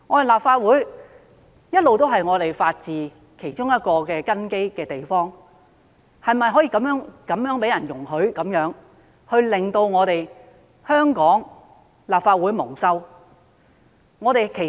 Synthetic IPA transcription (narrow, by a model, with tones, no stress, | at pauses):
ŋɔː˨˥e˨˩laː˨pfaː˧t̚wuː˨˥j | jɐ˥t̚lo˨wt̪̬o˥wɦɐ˨jŋɔː˨˧t̪e˨jfaː˧t̚t͡siː˨ | kʰe˨˩jt͡ʃʊ˥ŋjɐ˥t̚kɔː˧kɛː˧kɐ˥nke˥jkɛː˧t̪e˨˩jfɔː˥ŋ | hɐ˨˩jmɐ˨jɦɔː˨˥jiː˧kɐ˨˧˥mjœː˨˥ŋkɐ˨˥mjœː˨˥ŋpe˨˥jɐ˨˩njʊ˨˩ŋhɵ˨˥ɥkɐ˨˥mjœː˨˥ŋ | hɵ˧ɥlɪ˨ŋt̪o˧wŋɔː˨˧t̪e˨j | hœː˥ŋkɔː˨˥ŋ | laː˨p̚faː˧t̚wuː˨˥jmʊ˨˩ŋsɐ˥w | ŋɔː˨˧t̪e˨kʰe˨˩